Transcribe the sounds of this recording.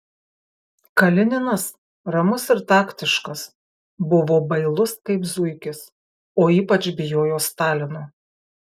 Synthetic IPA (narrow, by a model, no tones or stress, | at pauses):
kɐlʲɪnʲɪnɐs | ɾɐmʊsɪɾt̪ɑːkt̪ʲɪʃkɐs | bʊʋoːbɐɪlˠʊskɐɪpzʊɪkʲɪs | oːiːpɐt͡ʃbʲɪjoːjoːst̪ɑːlʲɪnoː